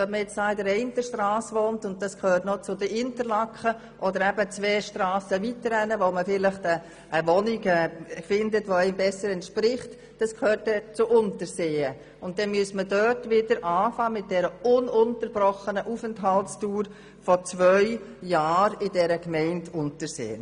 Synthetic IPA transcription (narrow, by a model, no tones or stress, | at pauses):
ʋɛtməjɛt͡sd̥ɑːɪdəɾɛɪntəʃtrɑːsʋoːntʊnt̚d̥ɑskʰhøːɾtnot͡sʊdəʔɪntəɾlɑkχə | ʔɔdəɾæbət͡svɛːʃtɾɑːsəʋitəɾɛnəʋoməfɪləχtə | ʔːʋɔnɪɡɛfɪndətʋoɛɪmbɛsəɾɛntʃpɾɪχt | d̥ɑskʰhøːtdɛt͡sʊʔʊntəɾseːə | ʊnt̚d̥ɛnmyəsmədøtʋɪdəɾʔɑːfɑːmɪt̚d̥ɛɾəʊnʊntəɾbɾɔχənəʔufəntɦɑltstuːɾ | fɔt͡svʋœʏ | jɑːɾɪdɛɾəkmɛɪntʰʊntəɾsḛːən